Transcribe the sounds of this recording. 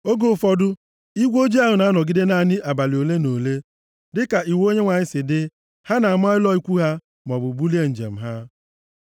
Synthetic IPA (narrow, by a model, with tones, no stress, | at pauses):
o˦ɡo˨fɔ˨dʊ˦ | i˦ɡʷo˦d͡ʒi˦a˦˨ɦʊ˨na˨˦a˦nɔ˨ɡɪ˦de˦na˨nɪ˦ʔa˨ba˨li˨o˨le˦no˨le˦ | dɪ˦ka˨i˨wo˦ɲe˦ŋʷa˨ɲɪ˦sɪ˨dɪ˦ | ha˦na˨a˨m˦a˦ɪ˦lɔ˦i˦kʷu˦ɦa˦ | m˨ɔ˨bʊ˨bu˦li˦e˦n̩˨d͡ʒḛ˨m̩˨ɦa˦